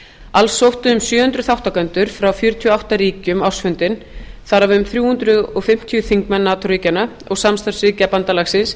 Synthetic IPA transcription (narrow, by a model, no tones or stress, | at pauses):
alsːowht̪ʏʏmsjœːhʏnt̪ɾʏθawht̪akœnt̪ʏɾ̥fɾawfjœːɾʏt̪ʰiɔawht̪aɾiːcʏmawsfʏnt̪ɪn | θaɾavʏmθɾjuːhʏnt̪ɾʏðɔɣfɪm̥t̪ʰijʏθiŋkmɛnːat̪ʰɾiːcana | ɔɣsamst̪aɾ̥sɾiːcapant̪alaxsɪns